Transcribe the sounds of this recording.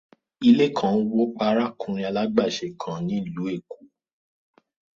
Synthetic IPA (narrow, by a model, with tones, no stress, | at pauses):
i˧le˦kʰã˨˦wo˦k͡pa˧ɾa˦kʰũ˧ɾ̃ĩ˧a˧la˦ɡ͡ba˦˨ʃe˨kʰã˨nĩ˨˦i˦˨lu˨˦e˦˨ku˨˦